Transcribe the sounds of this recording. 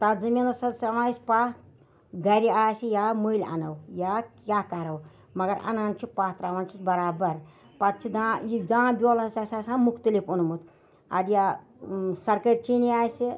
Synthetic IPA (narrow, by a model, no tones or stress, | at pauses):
t̪ad͡zɨmʲinɐsɐsɾɐʋaːisʲpaː | ɡɐɾiaːsijamuilʲɐ̰nɐwjakʲjaːkɐɾɐw | mɐɡɐɾɐ̰naːnt͡ʃʰipaːt̪ɾaːʋaːnt͡ʃʰit͡sbɐɾaːbɐɾ | pɐt̪̚t͡ʃʰid̪ãːjid̪ãːbʲoːlɐsasʲasãːnmukʰt̪ulʲipunmut̪ | ɐ̰d̪ja | sɐɾkəɾʲt͡ʃiniaːjsi